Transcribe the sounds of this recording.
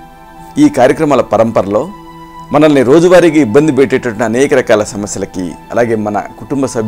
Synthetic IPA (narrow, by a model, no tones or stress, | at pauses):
iːkaːɾjɐkɾɐmaːlɐpɐɾɐmpɐɾɐlo̞ː | mɐnɐlːiɾo̞ːd͡ʒuʋaːɾiːkiibːɐnd̪ibeʈːɛʈːɐʈunɐːnɛːkɐɾɐkaːlɐsɐmɐsjɐlɐkḭɐ̰laːɡe̞ːmɐnɐ̰kuʈumbɐsɐbʱ